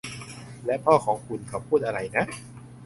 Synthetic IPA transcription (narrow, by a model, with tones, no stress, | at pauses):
lɛ˦˥pʰɔː˥˩kʰɔː˩˦ŋkʰu˧nkʰa˨˩pʰuː˥˩t̪̚ʔa˧ɾa˧jna˦˥ʔ